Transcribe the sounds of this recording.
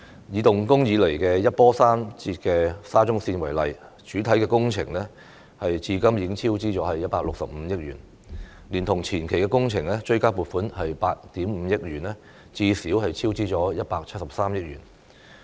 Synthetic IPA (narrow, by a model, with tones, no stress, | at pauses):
jiː˨˧t̪ʊ˨ŋkʊ˥ŋjiː˨˧le˨˩jkɛː˧jɐ˥t̚pɔː˥saː˥mt͡siː˧t̚kɛː˧saː˥t͡sʊ˥ŋsiː˧nwɐ˨˩jlɐ̰˨˩j | t͡ʃyː˨˥t̪ʰɐ˨˥jkɛː˧kʊ˥ŋt͡sʰɪ˨˩ŋlɛ˥ | hɐ˨jt͡siː˧kɐ˥mjiː˧kɪ˥ŋt͡sʰiː˥wt͡siː˥t͡sɔː˨˥hɐ˨jːɐ˥t̚paː˧k̚lʊ˨k̚sɐ˨p̚m̩˨˧jɪ˥k̚ɥyː˨˩n | liː˨˩nt̪ʰʊ˨˩ŋt͡sʰiː˨˩nkʰe˨˩jkɛ˧kʊ˥ŋt͡sʰɪ˨˩ŋlɛː˥t͡ʃɵ˧ɥkaː˥puː˨t̚fuː˨˥nhɐ˨jpaː˧t̚t̪iː˨˥mm̩˨˧˦jɪ˥k̚jyː˨˩nlɛ˥ | t͡siː˧siː˨˥whɐ˨jt͡sʰiː˥wt͡siː˥t͡ʃɔː˨˥jɐ˥t̚paː˧k̚t͡sʰɐ˥t̚sɐ˨p̚saː˥mjɪ˥k̚ɥy̰ː˨˩n